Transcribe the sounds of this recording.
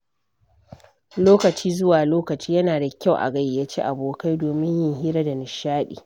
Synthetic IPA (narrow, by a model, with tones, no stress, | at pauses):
loː˦kɐ˨t͡ʃiː˦zʊ˦waː˨loː˦kɐ˨t͡ʃiː˦jɐ˦naː˨da˨kʲa˦wʔa̰˨ɡɐ˦jjaː˦t͡ʃeː˦ʔa˨boː˨ka˦jdoː˨mɪ˦ɲjɪ˦ŋɦiː˦ɾɐ˦da˨nɪ˨ʃaː˦ɗḭː˨